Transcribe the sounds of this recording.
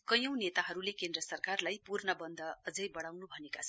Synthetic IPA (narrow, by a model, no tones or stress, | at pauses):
kʌjʌ̃w̃net̪aɦʌɾulekend̪rʌsʌrkarlajpurnʌbʌnd̪ʱʌʌd͡zʌjbʌɽawnubʱʌnekat͡sʰʌn